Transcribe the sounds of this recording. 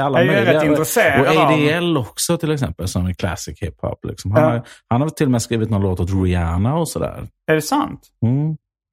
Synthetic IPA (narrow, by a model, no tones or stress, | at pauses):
alːmœj̪ɪɛɡaɪɾɛseːɾɔaɛd̪ɪɛlːɔksɔt̪ʰɪlɛksɛ̰mpəlsɔmɛkʰlæ̰sɪkhɪphɔ̰plɪ̰ksɔmɦanhaɾhanhaɾt̪ʰɪlːɔmɛskɾiːvɪt̪nɔːɾaloːt̪ʊːt̪ɾɪaːnaɔsɔd̪æ̰ːɾ | æɖɛsant̪ | m̩ː